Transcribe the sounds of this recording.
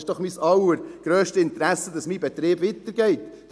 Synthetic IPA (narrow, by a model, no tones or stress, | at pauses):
ʃd̥ɔχmisɑwəɾɡ̥ɾøːʃtəɪnt̪ɾæsəd̪ɑsmiːbɛt̪ɾeːbvit̪əɾɡɛɪtː